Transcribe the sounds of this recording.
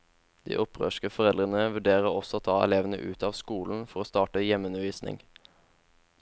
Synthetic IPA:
d̪̥ḭːʔɔpʁø̰ːʃkəfɔʁɛld̪ʁənəʋʉɖeːʁəɔsɔoːt̪ʰɑːɛ̰leːʋənə̰ʔʉ̰ːt̪ɑːʋskuːln̩fɔʁoːst̪ɑːʈəjɛmʉnəʋiːsnɪ̰ŋ

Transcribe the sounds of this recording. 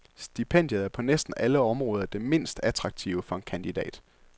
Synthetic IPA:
sd̥ipʰen̰d̥jəðˠæɐpʰɒ̽nesd̥n̩æləɒ̽mʁɔːð̞ˠɐd̥e̝me̝n̰sd̥æt͡sʰʁɑ̈ɡ̥̚t͡sʰiʊəfɒ̽e̝nkʰænd̥id̥ɛ̰ːd̥

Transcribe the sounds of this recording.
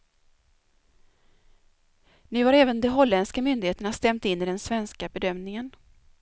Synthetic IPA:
nʉ̟ːhaɾɛːvənd̪ɛɦɔlːɛnskamʏnd̪ɪheːt̪əɳast̪ɛmt̪ɪnːɪɖɛnsvɛnskabɛd̪œmnɪŋən

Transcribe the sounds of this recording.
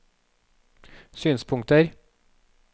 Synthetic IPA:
syːnspʰʊŋt̪əɾ

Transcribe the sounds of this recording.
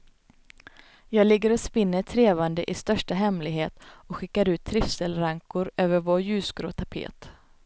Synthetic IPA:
jɑːɡlɪɡːəɾɔspɪnːət̪ʰɾeːvand̪əʔɪst̪œʂʈaɦɛmlɪɡɦeːt̪ɔkɧɪkːaɾʉ̟ːt̪ʰːɾɪfsəlɾaŋkʊɾøːvəɾvoːɾjʉ̟ːsɡɾo̰ːt̪ʰapʰḛːt̪

